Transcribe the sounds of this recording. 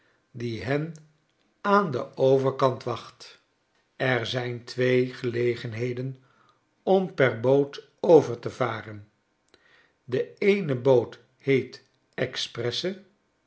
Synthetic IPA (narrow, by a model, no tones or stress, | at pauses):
diɦɛn | aːndəowvəɹkɑntʋɑχt | ɛɹzɛjntʰʋejχəlejχənɦejdən | ɔmpɛɹboːt | owvəɹtəvaːrən | dəejnəbowt | hejt | ɛksprɛsə